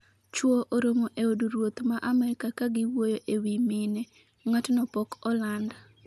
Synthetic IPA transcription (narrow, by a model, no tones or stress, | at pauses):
t͡ʃwoʔoɾomoʔeoduɾwot̪maʔamɛɾɪkakaɡɪwwojoʔewimine | ŋatnɔpɔkɔland